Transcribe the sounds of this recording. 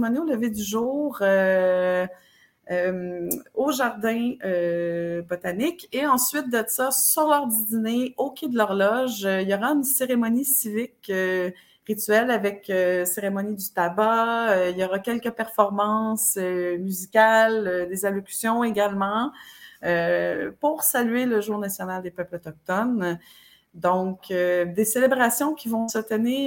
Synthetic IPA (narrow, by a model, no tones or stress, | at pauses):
ɔnioləved̪yʒuːʁø | moʒaʁd̪ɛ̃øbɔt̪anɪkeɑ̃sɥɪt̪̚d̪əsasyʁlœʁd̪id̪ineokʲʰed̪əlœʁlɔʒøiljɔʁaynseʁemɔnisivɪkø | ʁit̪ɥɛlavɛkøseʁemɔnid̪yt̪abaøiljɔʁɑkʲɛlkəpɛʁfɔʁmɑ̃sømyzikʲalød̪ezalɔkʲy̥sjɔ̃eɡʲalmɑ̃ | øpuʁsalyeləʒuːʁnasjɔnald̪epœplət̪ɔk̚t̪ɔn | d̪ɔ̃kød̪eselebʁasjɔ̃kʲivɔ̃sət̪əniː